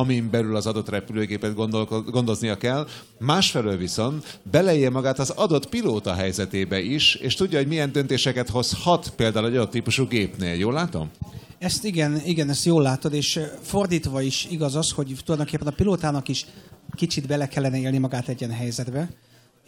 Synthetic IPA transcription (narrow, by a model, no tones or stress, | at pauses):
ɒmimbɛlylɒzɒd̪o̞t̪rɛpyløːɡeːpɛd̪ɡ̪oɡo̞nd̪o̞znijɒkɛl | maːʃfɛløːlviso̞nt̪bɛlɛejɛmɒɡaːt̪ɒzɒd̪o̞t̪piloːt̪ɒɦɛjzɛt̪eːbɛʔiʃḛːʃt̪uɟːɒɦo̞ɟmijɛnd̪ønt̪eːʃɛkɛt̪ho̞shɒt̪peːld̪aːwlɛɟɒd̪ot̪ːiːpuʃuɡeːpnḛːljoːlːaːt̪o̰m | ɛst̪iɡɛniɡɛnɛst̪joːlːaːt̪o̞d̪eːʃfo̞rd̪iːt̪ʋɒiʃiɡɒzɒsho̞ɟt̪ulɒjd̪o̞ŋkepːɛnɒpiloːt̪aːnɒkiʃkit͡ʃid̪bɛlɛkɛlːɛnɛeːlnimɒɡaːt̪ɛɟːɛnɦɛjzɛd̪bɛ